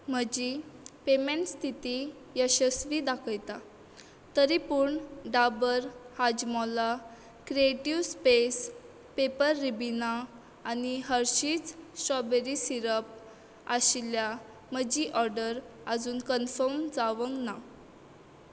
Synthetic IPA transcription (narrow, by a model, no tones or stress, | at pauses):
m̤əd͡ʑipemẽɳʈst̪ʰit̪i | jəɕəsʋid̪akʰəjt̪a | t̪əɾipuɳɖabəɾhad͡ʑmɔla | kɾieʈiʋspes | pepəɾːibinaː | niɦəɾɕiːt͡ssɾɔbeɾisiɾəp̚ | a̰ɕlja | m̤əd͡ʑiʔɔɾɖəɾ | əd͡zuːnkənfɔɾmd͡zaʋəŋɡna